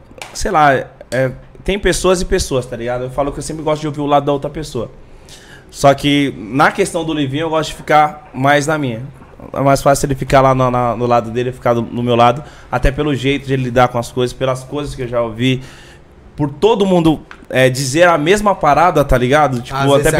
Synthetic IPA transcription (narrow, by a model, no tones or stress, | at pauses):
sejlaɛɛ | t̪ẽj̃pesoɐzɪpesoɐst̪aliɡad̪ʊewfalʊkɪewsẽpɾɪɡɔst̪ʊd͡ʒɪowviɾʊlad̪ʊd̪ɐowt̪ɾɐpesoɐ | sɔkɪnɐkest̪ɐ̃w̃d̪ʊlivĩɲ̃ewɡɔst̪ʊd͡ʒɪfi̥kamajznɐmĩɲɐ | ɛ̰majsfasɪelɪfikalanɐnɐnʊlad̪ʊd̪elɪefi̥kad̪ʊnʊmewlad̪ʊ | at̪ɛpelʊʒejt̪ʊd͡ʒɪelɪlid̪aɾkõɐskojzɐspelɐskojzɐskɪewʒaovi | poɾt̪od̪ʊmũnd̪ʊɛd͡ʒizeɾɐmezmɐpaɾad̪ɐt̪aliɡad̪ʊt͡ʃipʊaɛ